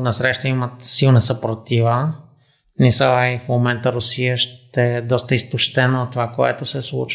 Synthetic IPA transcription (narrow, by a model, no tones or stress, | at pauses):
nɐsɾɛʃt̪əimət̪silˠnɐsəpɾot̪ivə | nisəaifmomɛnt̪əɾʊsijəʃt̪ɛd̪ɔst̪əist̪oʃt̪ɛnoːt̪ːovakoɛ̰t̪osɛslˠṵt͡ʃ